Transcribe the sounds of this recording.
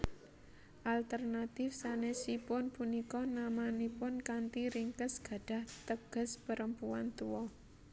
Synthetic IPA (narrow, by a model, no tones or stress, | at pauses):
ʔalt̪ərnat̪ɪfsanɛsipʊnpunikɔnamanipʊnkant̪iɾiŋkəsɡ̥a̤ɖ̥a̤ht̪əɡ̥ə̤spəɾəmpua̰nt̪uwɔ